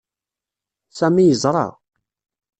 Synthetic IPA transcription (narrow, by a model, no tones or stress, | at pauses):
sæmijəzˤɾˤɑ̰